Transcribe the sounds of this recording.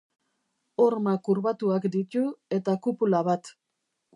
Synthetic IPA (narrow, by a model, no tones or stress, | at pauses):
oɾmakuɾβat̪uakd̪it̪ue̞t̪akupulaβat̪